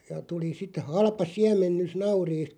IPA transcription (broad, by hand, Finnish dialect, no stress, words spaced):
jɑ tuli sit hɑlpɑ siæmˑenːys nɑuriːst